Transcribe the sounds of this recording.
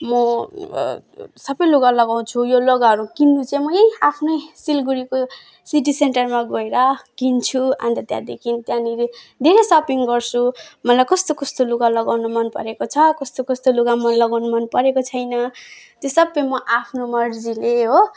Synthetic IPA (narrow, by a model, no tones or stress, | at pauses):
mʌ | sʌbʌjluɡalʌɡaw̃t͡sʰujolʌɡaɦʌɾukinːut͡sajmʌjejapʰnʌjsilɡuɾiko | siʈ̬iseɳʈʌrmaɡʌeɾʌkint͡sʰua̰nt̪ʌt̪jã̰d̪ekʰint̪jãniɾed̪ʱeɾesʌpiŋɡʌrt͡sʰumʌlajkʌst̪okʌst̪oluɡalʌɡawnomʌnpʌ̰ɾekot͡sʰʌkʌst̪okʌst̪oluɡamʌnlʌɡawnumʌnpʌɾekot͡sʰʌjnʌt̪josʌbːʌjmʌʔapʰnomʌrd͡zileɦo